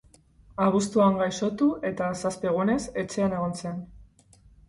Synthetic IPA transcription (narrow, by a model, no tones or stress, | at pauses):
aβ̞ust̪uaŋɡajso̞t̪uʔe̞t̪asaspe̞ɣ̞une̞se̞t͡se̞ane̞ɣ̞o̞nse̞n